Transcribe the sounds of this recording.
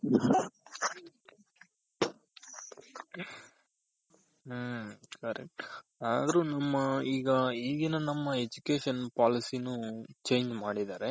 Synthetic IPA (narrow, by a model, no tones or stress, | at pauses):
kɐɾḛkʈaːd̪ɐɾunɐmːɐiːɡɐiːɡinɐnɐmːɐed͡ʒukeːʃɐnpaːlisinut͡ʃe̞ːɲd͡ʒmaːɽid̪aːɾe